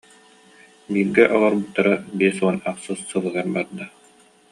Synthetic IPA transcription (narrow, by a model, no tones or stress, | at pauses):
biːɾɡɛʔɔlˠɔɾbut̪ːaɾabiɛsuɔnaqsɯsːɯlˠɯɡaɾbaɾd̪a